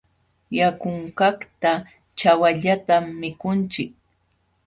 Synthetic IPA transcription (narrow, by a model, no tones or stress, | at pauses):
jakʊɴkakt̪a | t͡ʃawaʎat̪amːɪkʊnt͡ʃɪk̚